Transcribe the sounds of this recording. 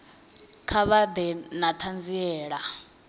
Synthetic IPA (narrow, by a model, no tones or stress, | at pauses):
kʰaβad̪ɛnat̪ʰand͡ziɛːɺa